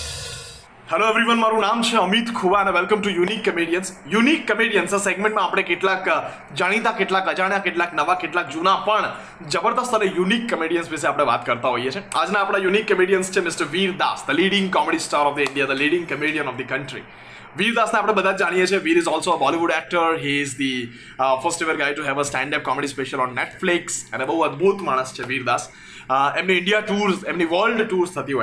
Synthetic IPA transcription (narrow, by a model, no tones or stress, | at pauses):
hɛloeʋɾiʋənmaɾũnamt͡ʃʰeəmit̪kʰuʋaɛnʋɛlkəmʈujunikːəmiɽijənsjunikːəmiɽijənsəseɡmẽɳʈmãːpɽ̃ekeʈlak | d͡ʒaɽ̃it̪akeʈlakəd͡ʒaɽ̃jãkeʈlaknəʋakeʈlakd͡ʒunapəɳ | d͡ʒəbəɾd̪əst̪ənejunikːəmiɽijənsʋes̬eapɽ̃eʋa̰t̪kəɾt̪aɦoijet͡ʃʰeaːd͡ʒnaːpɽ̃ajunikːəmiɽijənst͡ʃʰemɪsʈəɾʋiːɾd̪a̰sd̪əliːɽɪ̃ŋɡkɔmeɖisʈaːɾɔʋd̪iɪ̃ɳɖijad̪əliːɽɪ̃ŋɡkəmiɽiənɔʋd̪ikə̃ɳʈɾḭ | ʋiːɾd̪asneapɽ̃ẽbəd̪ʱat̪̚d͡ʒaɽ̃ijet͡ʃʰeʋiːɾɪzɔːlsoəbɔliʋuɖæk̚ʈəɾɦiɪzd̪i | fəɾsʈeʋəɾɡajʈuɦɛʋəsʈɛ̃ɳɖəp̚kɔmeɖispeʃəlɔ̃nːeʈflɪksɛ̰̃nəbəɦũɐd̪bʱut̪maːɽ̃əst͡ʃʰeʋiːɾd̪as | emniɪ̃ɳɖijaʈuːɾsemniʋəɾlɖʈuːɾst̪ʰət̪iɦo